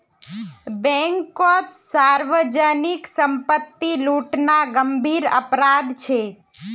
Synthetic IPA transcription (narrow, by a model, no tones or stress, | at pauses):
bɛ̃ŋkɔt̪saɾʋəd͡ʒəniksəmpət̪ːiluʈnaɡəmbʱiɾə̰pɾad̪t͡ʃʰe